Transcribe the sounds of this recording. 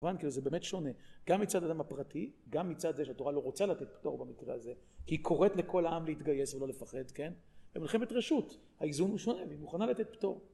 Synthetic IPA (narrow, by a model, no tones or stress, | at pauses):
vankiluzebeːmetʃo̞ne̞ɡ̥amːit͡sad̪ad̪amhapʁatiɡamːit͡sad̪zeʃeato̞ʁalo̞ʁo̞t͡salat̪et̪̚pt̪o̞ʁbamikʁeaze | kiikʰo̞ʁe̞t̪le̞ko̞laamleit̪ɡaje̞svelo̞lefaχe̞d̪ken | vemilχemetʁeʃut | haizunuʃo̞neveimuχanalat̪e̞t̪̚pto̞ʁ